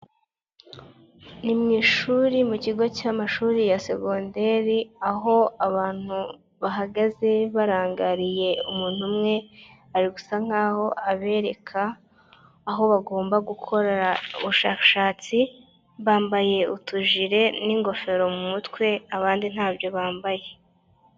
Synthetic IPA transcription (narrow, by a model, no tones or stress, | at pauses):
nimɲiːʃuɾimuciɡo̞camaʃuːɾijase̞ɡondeɾiaɦo̞aβaːn̥hu | βaɦaɡaze̞βaɾaːŋɡaɾije̞umuːn̥humŋe̞ | aɾiɡusaŋ̥aːho̞aβe̞ːɾe̞kʰaː | ɦo̞βaɡo̞ːmbaɡukʰo̞ɾeɾauβuʃakaʃaːt͡si | βaːmbaje̞utuʒiɾe̞niŋɡo̞fe̞ɾo̞mumutwe̞aβaːndin̥haːbjo̞βaːmbaje̞